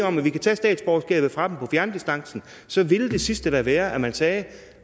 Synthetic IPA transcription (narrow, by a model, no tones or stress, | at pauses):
ɒ̽mæʋikʰæt͡sʰɛ̰ːsd̥ɛ̰ːd̥sb̥ɒʊsɡ̥ɛ̰ːb̥ð̞̩ˠfʁɑ̈d̥empʰɒ̽fjæɐnd̥isd̥ɑ̈ŋ̰sn̩ | sɒ̽ʋi̝ld̥e̝sisd̥ədæʋæːɐʔæmænsɛː